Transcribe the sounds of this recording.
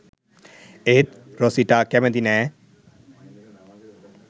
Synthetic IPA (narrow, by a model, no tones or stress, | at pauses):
et̪̚ | ɾosiʈakɛmɛ̃d̪inɛ